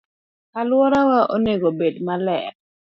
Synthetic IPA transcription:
alwɔɾawaʔoneɡobedmalɛ̰

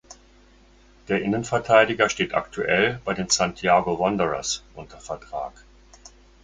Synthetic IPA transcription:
d̥eːɐʔɪnənfɛɐtʰaɪdɪɡɐʃteːtʔa̰ktʰuʔɛlbaɪdeːnsantʰiaːɡovɔndəʁɐ̰sʔʊntʰɐfɛɐtʁ̥a̰ːk

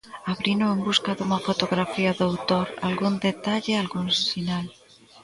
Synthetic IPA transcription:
aβɾinoembuskaðuŋafot̪oɣɾafiaðowt̪oɾa̰lɣund̪et̪aʎealɣuŋsinal

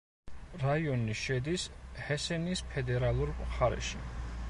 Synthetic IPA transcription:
ɾaiɔniʃɛd̪ishɛsɛnispʰɛd̪ɛɾalˠuɾχaɾɛ̰ʃi

